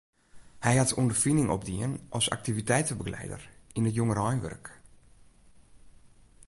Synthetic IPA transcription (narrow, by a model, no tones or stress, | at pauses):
hɛjhatundərfinɪŋʔɔ̰p̚diənʔɔlˠsa̰k̚tivitɛjtəbəɡlɛ̰jdə̰rinətjoŋərɔjnʋø̰rk